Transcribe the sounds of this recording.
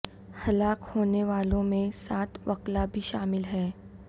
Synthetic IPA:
hɐlaːkhoːneʋaːlõmẽsaːt̪ʋɐklabʱiʃaːmɪlɦɛː

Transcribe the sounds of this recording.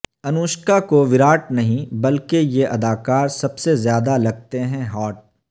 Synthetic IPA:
ɐnuːʃkakoʋɪɾaːʈnɐɦĩbɐlkejeʔɐd̪aːkaːɾsɐbsezjaːd̪alɐɡ̚t̪eɦɛ̃ɦɔːʈ̚

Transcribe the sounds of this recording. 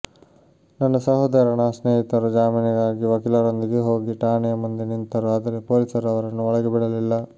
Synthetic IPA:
nɐnːɐsɐɦɐd̪ɐɾɐɳɐsneːɦit̪ɐɾud͡ʒaːminiɡaːɡiʋɐkilɐɾond̪iɡeɦo̞ːɡiʈaːnɛjɐmund̪enint̪ɐɾuɐd̪ɐɾepoːlisɐɾɐʋɐɾɐnːuɔɭɐɡebiɽɐlilːɐ

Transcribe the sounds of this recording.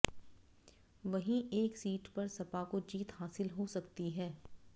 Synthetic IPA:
ʋɐɦĩeːksiːʈpɐɾsɐpakod͡ʒiːt̪ɦaːsɪlɦosɐkt̪iɦɛː

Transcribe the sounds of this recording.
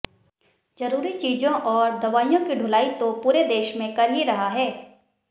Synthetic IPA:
zɐɾuːɾit͡ʃiːzõʔɔːɾd̪ɐʋaːijõkiɖʱʊːlaːit̪opuːɾed̪eːʃmẽkɐɾɦiɾɐɦaɦɛː

